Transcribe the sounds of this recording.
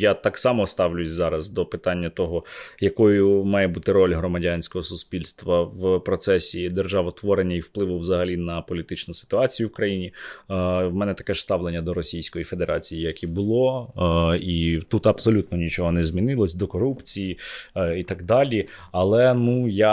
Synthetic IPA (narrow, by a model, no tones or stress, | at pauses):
jat̪ɑksɑmɔst̪ɑʋlʲʊsʲzɑɾɐzd̪ɔpɪt̪ɑnʲːɐt̪ɔɦɔjɐkɔjʊmɑjɛbut̪ɪɾɔlʲɦɾɔmɐdʲɑnʲsʲkɔɦɔsʊspʲilʲst̪ʋɐʋpɾɔt̪sɛsʲid̪erʒɑʋɔt̪ʋɔɾenʲːɐiwplˠɪʋʊwzɐɦɐlʲinɐpɔlʲit̪ɪt͡ʃnʊsɪ̥t̪ʊɑt͡sʲijʊwʊkɾɐjinʲi | wmɛnɛt̪ɐ̥kɛʂst̪ɑʋlˠenʲːɐd̪ɔɾɔsʲijsʲkɔjife̞d̪eɾʔɑt͡sʲijijɐkʲibʊlˠɔ | it̪ut̪ɐbsɔlʲut̪nɔnʲit͡ʃɔɦɔnɛzmʲinɪlˠɔsʲd̪ɔkɔɾupt͡sʲijiit̪ɑɡd̪ɑlʲi | ɐlˠɛnuja